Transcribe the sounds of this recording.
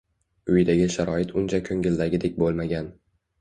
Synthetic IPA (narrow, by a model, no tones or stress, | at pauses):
ʊjd̪aɡʲɪʃaɾɒɪt̪ʰʊnt͡ʃʰakʲʰoŋʲɪld̪aɡʲɪd̪ek̚ʲbolˠmaɡʲan